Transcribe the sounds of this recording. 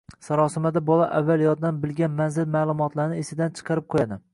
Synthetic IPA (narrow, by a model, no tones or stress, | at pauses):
saɾɒsɪmad̪abɒlˠaʔavːalˠjɒd̪d̪anbɪlɡʲanmanzɪlmaːlˠʊmɒt̪laɾɪnɪesɪd̪ant͡ʃʰɨ̥qʰɑɾɪp̚qʰojad̪ɪ